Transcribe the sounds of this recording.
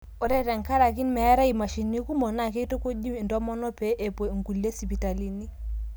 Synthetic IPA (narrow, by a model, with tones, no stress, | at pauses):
o˨ɾɛ˦ɾɛ˨ŋ˨ka˦ɾa˨ki˦nmɛ˨ja˦ɾa˦i˨ma˨ʃi˨ni˦ku˦mɔ˨na˦˨ke˦to˦ko˦di˦˨ndɔ˦mɔ˦nɔ˦pe˦ʔe˨po˨ŋ˨ɡu˨le˦si˨pi˨ta˨li˨ni˦